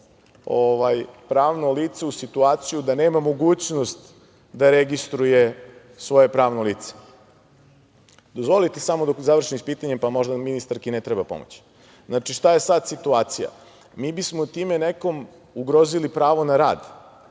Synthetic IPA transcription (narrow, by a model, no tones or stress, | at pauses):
oʋajpɾaːʋnoliːt̪seusit̪uaːt̪sijud̪ane̞ːmamo̞ɡuːt͡ɕnost̪ | d̪aɾeɡist̪ɾuje̞ | sʋo̞je̞pɾaːʋnoliːt̪se̥ | d̪ozʋo̞lit̪esamod̪okzaʋɾr̩ʃinispiːt̪aɲempamo̞ʒd̪aminist̪aɾkinet̪ɾebapo̞̰mo̰t͡ɕi̥ | znat͡ʃiʃt̪aje̞sad̪sit̪uaːt̪sija̰ | miːbismot̪iːmeneko̞m | uɡɾo̞zilipɾaːʋo̞naɾa̰ːd̪